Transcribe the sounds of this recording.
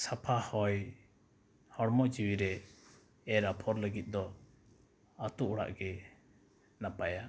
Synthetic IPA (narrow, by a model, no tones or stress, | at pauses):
sapʰahɔj | hɔɽmɔd͡ʒiwiɾɛ | ɛɾapʰɔɾləɡit̪̚ˀd̪ɔ | at̪uʔuɽa̰ʔɡɛ | napaja